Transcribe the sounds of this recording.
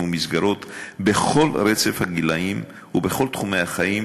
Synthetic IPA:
umisɡaɾo̞t̪beχo̞lɾet͡se̞fhaɡilaim | ubeχo̞lt̪χumejhaχaim

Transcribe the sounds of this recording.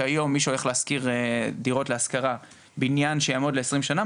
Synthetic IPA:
ajo̞mːiʃeo̞le̞χleaskiʁdiʁo̞tleaskaʁa | binjanʃejamo̞d̪le̞ːsʁimʃana

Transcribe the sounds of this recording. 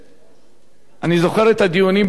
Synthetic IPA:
anizo̞χe̞ʁet̪ad̪ijunimb

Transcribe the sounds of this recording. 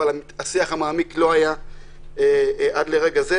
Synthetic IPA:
alamit̪asiaχamaːmiklo̞aja | eʔad̪le̞ʁeɡaze

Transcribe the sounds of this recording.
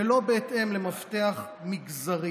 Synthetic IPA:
elo̞beːt̪ʔe̞mlemaft̪eaχ | miɡzaʁi

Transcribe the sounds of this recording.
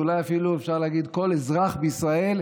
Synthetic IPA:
ulajafiluefʃaʁlaaɡid̪ko̞lezʁaχbeisʁae̞l

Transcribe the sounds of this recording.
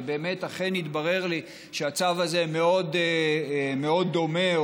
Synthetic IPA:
be̞ːme̞t̪aχenit̪baʁe̞ʁli | ʃeat͡savazemeo̞d̪ | meo̞d̪ːo̞me̞

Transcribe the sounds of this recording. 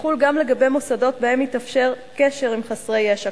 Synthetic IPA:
χulɡamle̞ɡabe̞jmosado̞tbae̞mitafʃe̞ʁ | keʃe̞ʁimχasʁejeʃa

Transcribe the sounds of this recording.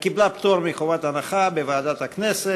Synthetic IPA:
kiblapt̪oɾmiχovat̪anaχabevaːd̪at̪haknese

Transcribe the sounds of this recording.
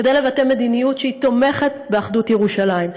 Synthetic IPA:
ked̪ejle̞vate̞me̞d̪inijutʃeit̪o̞me̞χet̚beaχd̪utjeʁuʃalaim

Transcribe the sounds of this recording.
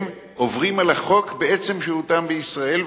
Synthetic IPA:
m | ʔovʁimalaχo̞kbee̞t͡se̞mʃeʁut̪ambeisʁae̞lv

